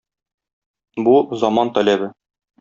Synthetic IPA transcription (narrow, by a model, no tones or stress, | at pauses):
buzɒmɑnt̪ɒlæbɘ